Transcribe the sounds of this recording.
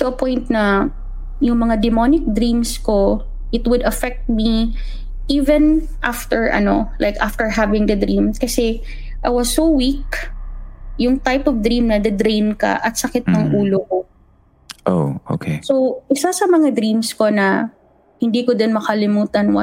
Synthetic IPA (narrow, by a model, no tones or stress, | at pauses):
soɐpojnt̪̚nɐ | jʊŋmɐŋad̪ɛmonɪk̚d̪ɾĩmsko̞ | ʔɪt̪wʊd̪ɐfɛk̚t̪̚mi | ʔivɛ̃n | ʔaft̪ɛɹʔɐ̰no̞lʔa̰jkʔaft̪ɛɹɦavɪ̃ŋd̪ɐd̪ɾĩmkɐsɛ | ʔajwɐsːowwik̚ | jʊŋt̪ajpɔvd̪ɾimnɐd̪ɐd̪ɾejnkɐ̰ʔɐt̪̚sɐkɪt̪̚nɐŋʔuːloko | ʔoʔo̰kʰesowʔɪsasɐmɐŋad̪ɾĩmsko̞nɐ | hɪnd̪iːkod̪ɪnmɐkɐlɪmuːt̪ɐnwɐ̰